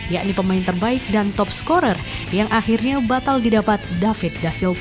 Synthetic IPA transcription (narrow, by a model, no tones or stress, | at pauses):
jaʔnipəmaɪnt̪ərbaɪk̚dant̪ɔp̚skɔɾərjaŋʔaxirɲabat̪aldidapat̪̚dafɪt̪̚dasɪl